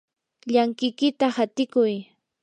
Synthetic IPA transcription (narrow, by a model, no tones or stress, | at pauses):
ʎaŋkɪjkɪt̪ahat̪ɪkʊj